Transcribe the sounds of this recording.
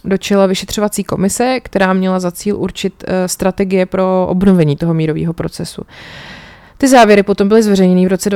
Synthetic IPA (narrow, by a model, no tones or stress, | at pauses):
do̞t͡ʃɛlavɪʃɛt̪r̝̥o̞vat͡siːko̞mɪsɛkt̪ɛɾaːmɲɛlazat͡siːlʔṵɾt͡ʃɪt̪st̪ɾat̪ɛɡɪjɛpɾo̞ʔo̰bno̞vɛɲiːt̪o̞ɦomiːɾo̞vḭːɦo̞pɾo̞t͡sɛsṵ | t̪ɪzaːvjɛɾɪpo̞t̪o̞mbɪlɪzvɛrɛjɲɛnivɾo̞t͡sɛdv